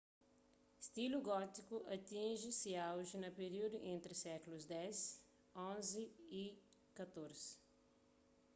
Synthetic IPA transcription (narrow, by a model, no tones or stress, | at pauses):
st̪ilʊɡɔt̪ikʊʔat̪ĩʒɪsɪawʒɪnɐpeɾiwd̪ʊʔẽnt̪ɾɪsɛklʊzd̪ɛs | õzɪikat̪oɾzɪ